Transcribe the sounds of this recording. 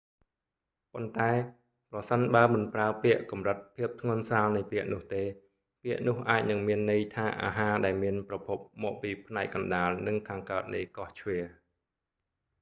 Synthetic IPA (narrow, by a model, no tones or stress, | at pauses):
pont̪aɛ | prɑsənɓaəmɨnpraəpiəʔkɑmrɨt̪̚pʰiəp̚t̪ʰŋʊ̆ənsaːlnɨjpiəʔnʊ̆əht̪eː | piəʔnʊ̆əhʔaːc̚nɨŋmiənːɨjt̪ʰaːʔa̰ːɦaːɗaɛlmiənprɑpʰup̚mɔːʔpiːpʰnaɛk̚kɑnɗaːlnɨŋkʰaːŋkaət̪̚nḭkɑht͡ɕʰʋiə